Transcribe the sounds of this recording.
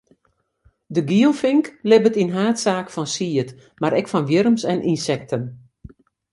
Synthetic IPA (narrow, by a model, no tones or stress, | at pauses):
dəɡiəlˠfɪŋklɪbətinɦaːtsaːkfɔnsiət | maɾɛkfɔnʋjɪɾəmsɛnʔinsɛk̚tʰən